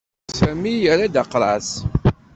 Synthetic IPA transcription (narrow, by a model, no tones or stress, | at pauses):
sæmːijəɾad̪aqːɾˤɑs